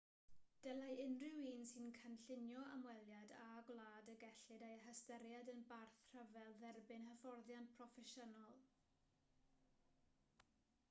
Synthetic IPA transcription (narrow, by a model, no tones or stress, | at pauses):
d̥ɛlajʔɪnrɪwiːnsɨnkʰənɬɪnjɔamwɛlˠjadaɡwlˠaːdəɡɛɬɨdejəɦəstəɾjadənbarθr̥əvɛlˠðɛrbɪnhəfɔrðjantpʰrɔfɛʃənɔlˠ